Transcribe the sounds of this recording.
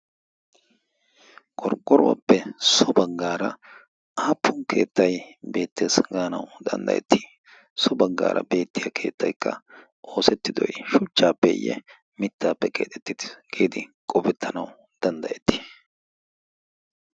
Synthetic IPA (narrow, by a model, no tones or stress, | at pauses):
kʼɔɾɡʼːɔɾʊwɐ̰pːɛsɔbɐɡːaːɾɐ | aːpːʊŋkʰe̞̰ːt̪ːɐjbe̞ːt̪ːe̞ːsɡaːnɐwd̪ɐ̰nd̪ɐ̰jɛ̰t̪ːi̥ | sɔbɐɡːa̰ːɾɐ̰be̞ːt̪ːɪjɐkʰe̞ːt̪ːɐjkːɐ̰ | ʔo̞ːsɛt̪ːɪd̪ɔjʃʊt͡ʃːaːpːɛɪjːɛ̰ | mɪt̪ːaːpːɛkʼḛːt̪ɛt̪ːɪɡ̥eːd̪ɪkʼɔpɛt̪ʰːɐnɐw | d̪̥ɐnd̪ɐʔɛt̪ːi̥